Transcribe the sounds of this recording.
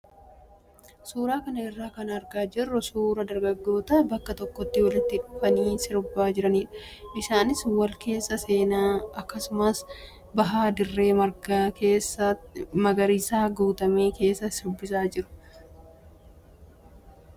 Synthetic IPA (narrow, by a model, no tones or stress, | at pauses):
suːɾaːkɐnɐɪrːaːkɐnɐɾɡaːd͡ʒɪrːʊsuːɾɐd̪ɐɾɡɐɡːo̞ːt̪ɐbɐkːɐt̪ɔkːɔt̪ːɪwɐlɪt̪ːɪᶑʼʊfɐniːsɪɾʊbːaːd͡ʒɪɾɐniːᶑɐ̥ʔɪʃaːnɪswɐlke̞ːsːɐse̞ːnaːɐkːɐsʊmɐs | bɐɦaːd̪ɪrːe̞ːmɐɾɡakeːsːɐmɐɡɐɾiːsaːɡuːt̪ɐme̞ːke̞ːsːɐsɪɾʊbːɪsaːd͡ʒɪɾʊ̥